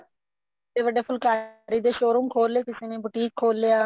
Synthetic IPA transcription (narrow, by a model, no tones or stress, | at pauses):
t̪eːʋəɖeːpʰʊlkaːɾiːd̪eːʃoːɾũːŋkʰoːlːeːkɪseːnẽːbʊʈiːkʰːoːlːeːaː